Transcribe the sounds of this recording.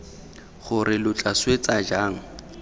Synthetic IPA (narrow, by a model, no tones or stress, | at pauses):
χʊɾɪlʊt͡ɬʼaswet͡sad͡ʒaːŋ̩